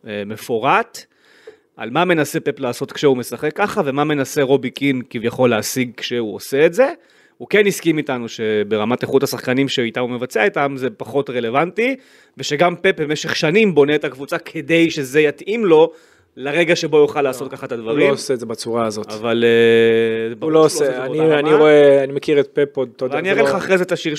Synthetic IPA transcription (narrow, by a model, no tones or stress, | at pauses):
eme̞foʁat | ʔa̰lmame̞nase̞pe̞plaːso̞t̪kʃeume̞saχe̞kːaχave̞mamenase̞ʁo̞bikinkivjaχo̞lːeasiɡ̚kʃeuo̰se̞ːtze̞ | huke̞niskimitanuʃe̞be̞ʁamateχutasaχkanimʃeitamume̞vat͡seaitamze̞paχo̞tʁe̞le̞vanti | ve̞ʃe̞ɡampe̞p̚bemeʃe̞χʃanimbo̞ne̞ːtakvut͡sakʰe̞de̞jʃe̞ze̞jatʔimlo̞ | leʁe̞ɡaʃe̞bo̞joχalːaːso̞t̪kaχaet̪ad̪vaʁiosetzebat͡suʁaːzotavale | baloseanianiʁoeanimekiʁet̪̚pepod̪̚todvaniaʁeχaːχʁezetaʃiʁ